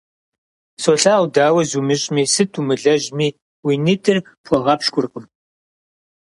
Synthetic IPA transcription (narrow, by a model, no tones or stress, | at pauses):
soːɬaːwʷdaːwɐzumɨɕʼmiːsɨtʰumɨɮɐʒmiː | winɨtʰɨr | pʷʰɔʁɐpʃkʷʊrqʼəm